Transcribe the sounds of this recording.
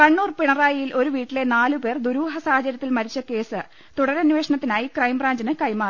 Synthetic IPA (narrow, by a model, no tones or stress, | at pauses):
kɐɳːuːrpiɳɐraːjijilʔo̞ɾuʋiːʈːile̞naːlupe̞ːrd̪uɾuːɦɐsaːhɐt͡ɕːɐɾɐt̪ːilmɐɾit͡ɕːɐke̞ːsɨ | t̪uɽɐɾɐnːuʋe̞ːʂɐɳɐt̪ːinaːjikrɐjmbraːɲd͡ʑinɨkɐjmaː